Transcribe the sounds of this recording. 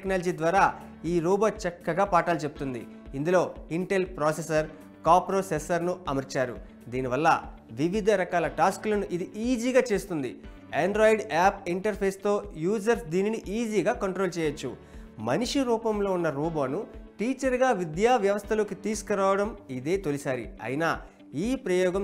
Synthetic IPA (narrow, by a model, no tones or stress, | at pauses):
knaːlɐd͡ʒiːd̪ʋaːɾaː | iːɾuːbaːt͡ʃɐkːɐɡaːpaːʈaːlut͡ʃebut̪und̪ḭ | ind̪ulo̞ːiɳʈe̞lpɾoːsesɐɾ | kaːpɾoːsesɐɾnuɐmɐɾt͡ʃaːɾṵ | d̪iːniʋɐlːɐ̰ʋiʋid̪ʱɐɾɐkaːlɐʈaːskulɐnuʔid̪iʔiːd͡ʒiːɡaːt͡ʃe̞ːst̪und̪ḭ | eɳɖɾoːjiɖaːp̚iɳʈɐɾpʰeːst̪o̞ːjuːd͡ʒɐɾsd̪iːniniʔiːd͡ʒiːɡaːkɐɳʈɾoːlt͡ʃɛːjɐt͡ʃːṵ | mɐniʂiɾuːpɐmlo̞ːunːɐɾuːbaːnuʈiːt͡ʃɐɾɡaːʋid̪jaːʋjɐʋɐst̪ʰɐloːkit̪iːsu̥kɐɾaːʋɐɽɐmid̪e̞ːt̪olisaːɾḭɐ̰jinaː | iːpɾɐjɔːɡɐm